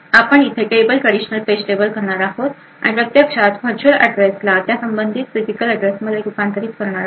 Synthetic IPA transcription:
apəɳit̪ʰəkebəlkəɽiɕənəlfesʈebəlkəɾɳaɾaɦot̪ | a̰ɽ̃ipɾət̪jəkʂat̪bʰʱət͡ɕʰuɾə̰ɖɾeslat̪jasəmbənd̪ʱit̪sizikələɖɾesməd̪ʱːjeupant̪əɾiːt̪kəɾɳ̃aɾa

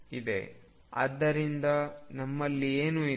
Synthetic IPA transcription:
id̪e̞̰ | ɐ̰d̪ːɐɾind̪ɐnɐmːɐlːieːnui

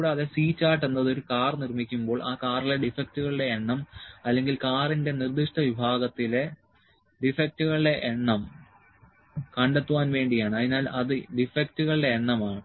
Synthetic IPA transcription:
ɽeɐðesiːt͡ɕːaːʈːe̞nːɐðo̞ɾukaːrnirmikʲːumbo̞ːɭʔaːkaːrileɖifek̚tuɣɐɭɨɽe̞ːɳːɐmɐlːe̞ŋɡilkaːrinde̞nird̪iʂʈɐʋibʱaːɣɐt̪ːile | ɖifek̚tuɣɐɭiɽe̞ʔeɳːɐm | kɐɳɖet̪ːuʋaːnʋe̞ːɳɖijaːɳɨɐðinaːlʔɐðɨɖifektuɣɐɭɨɖe̞ːɳːɐmaːɳɨ

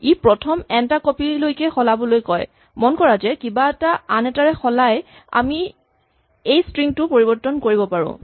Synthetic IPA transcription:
ipɹɔtʰɔmɛntakɔpilojkɛxɔlabɔlojkɔj | mɔnkɔɹazɛkibaɛtaanɛtaɹɛxɔlaj | a̰mi | ejstɹiŋtʊpoɹibɔɹtːɔnkoɹibɔpaɹʊ̰̃

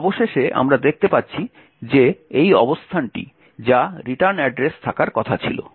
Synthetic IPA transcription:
ɔboʃeʃeʔa̰mɾad̪ek̚ʰt̪epatːɕʰi | d͡ʑeejɔbost̪ʰanʈḭ | d͡ʑaɾiʈaɾnɛɖɾest̪ʰakaɾkɔt̪ʰat͡ɕʰḭlo̰

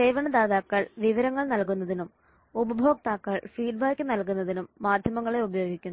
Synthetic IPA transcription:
sejʋɐɳɐd̪aːðaːkːɐɭʋiʋɐɾɐŋːɐɭnɐlkunːɐðinum | ubɐbʱo̞ːk̚t̪aːkːɐɭfiːɖ̚baːkʲːɨnɐlk̬unːɐðinumːaːd̪ʱjɐmɐŋːɐɭe̞ubɐjo̞ːɡikʲːunː

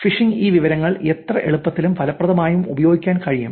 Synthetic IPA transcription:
fiʂiŋiːʋiʋɐɾɐŋːɐɭet̪rɐʔe̞ɭupːɐt̪ːilumpʰɐlɐpːrɐðɐmaːjumubɐjo̞ːɡikʲːaːnkɐɻijṵm

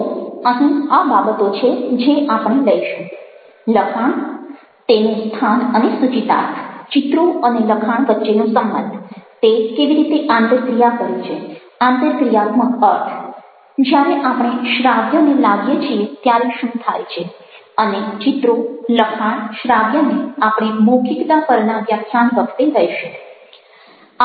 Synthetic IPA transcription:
əɦĩababət̪ot͡ʃʰed͡ʒeʔapɽ̃eləiʃũ | ləkʰaɳ̃ | t̪enũst̪ʰanənesut͡ʃit̪a̰t̪ʰt͡ʃit̪ɾoəneləkʰaɳ̃ʋətːʃenũsəmbə̰nd̪t̪ekeʋiɾit̪eʔãnt̪ək̪ɾijakəɾũt͡ʃʰe | ãnt̪ət̪ɾijat̪mə̃əʈ̪ʰ | d͡ʒjaɾeʔapɽ̃eʃɾaʋjənelaɡijet͡ʃʰiet̪jaɾeʃũt̪ʰajt͡ʃʰe | ənet͡ʃit̪ɾoləkʰaɳ̃ʃɾaʋjəneapɽ̃imoɡʰikt̪apəɾnaʋjakʰjanʋəkʰt̪eɾəjʃe

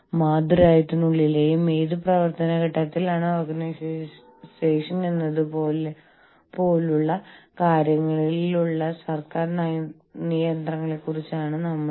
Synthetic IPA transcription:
maːd̪uɾaːjɐt̪ːunuɭːile̞ːjumːeːðɨprɐʋɐrt̪ɐnɐkɐʈːɐt̪ːilaːɳɨorɡɐnɐs | seːʂɐnenːɐðupoːle | po̞ːluɭːɐkaːɾjɐŋːɐɭiluɭːɐsɐrkaːrnɐj | nijɐnd̪rɐŋːɐɭekːurit͡ɕːaːɳɨnɐmːɐ

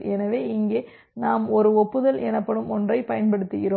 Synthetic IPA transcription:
ɛnɐʋeːɪŋɡeː | naːmɔɾɯɔpːɯðɐlɛnɐpːɐɽɯmɔndrɐɪpɐjɐnpɐɽɯt̪ːɪɣɪɾoː

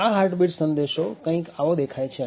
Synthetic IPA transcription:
aɦaɾʈbiʈsənd̪eʃokə̃ĩkaʋod̪ekʰajt͡ʃʰe

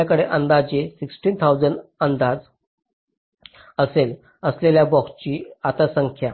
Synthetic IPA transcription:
akəɽeʔənd̪ad͡ʑesiksʈiːnt̪ʰawd͡zəɳɖənd̪ad͡z | əsel | əsleljabɔkst͡ɕiːat̪asəŋkʰja

